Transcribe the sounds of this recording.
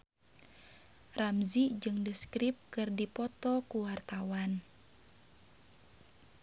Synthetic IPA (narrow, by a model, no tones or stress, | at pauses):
ramzid͡ʒɨŋdəskɾip̚kɨrdipɔt̪ɔkuwart̪awan